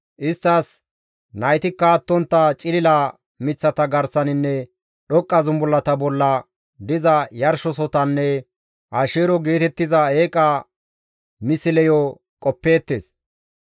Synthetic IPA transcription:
ʔɪst̪ːɐs | nɐjt̪ɪkːɐːt̪ːɔnt̪ːɐt͡ʃʼɪlɪla | mɪt͡sːɐt̪ɐɡɐɾsɐnɪnːɛ | ɗɔkʼːɐzʊmbɔlːɐt̪ɐbɔlːɐ | d̪ɪzɐjɐɾʃɔsɔt̪ɐnːɛ | ʔaːʃeːɾɔɡe̞ːt̪ɛt̪ːɪzɐeːkʼɐ | mɪsɪlɛjɔ | kʼɔpːe̞ːt̪ːeːs

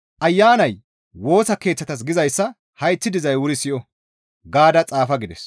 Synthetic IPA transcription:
ʔɐjːaːnɐj | wo̞ːsɐke̞ːt͡sːɐt̪ɐs̬ɡɪzɐjsːɐ | hɐjt͡sːɪd̪ɪzɐjwʊɾɪsɪʔɔ | ɡaːd̪ɐt͡sʼaːfɐɡɪd̪ɛs

